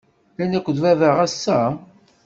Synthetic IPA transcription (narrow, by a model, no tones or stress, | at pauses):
ænækʷːəðvævəʁæsːæ